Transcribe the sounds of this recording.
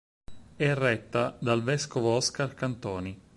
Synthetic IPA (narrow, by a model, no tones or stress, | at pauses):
ɛrːɛt̪ːad̪alvɛskovoɔskarkant̪ɔːni